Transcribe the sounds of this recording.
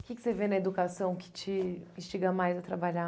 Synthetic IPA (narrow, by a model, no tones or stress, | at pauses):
ʊkʲɪkɪ̥sevenɐed̪ukasɐ̃w̃kɪ̥t͡ʃɪĩʃt͡ʃiɡɐmajzɐt̪ɾabaʎa